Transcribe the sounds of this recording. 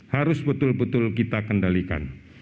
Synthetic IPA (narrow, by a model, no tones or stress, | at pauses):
haɾʊsbət̪ʊlbət̪ʊlkit̪akəndalika̰n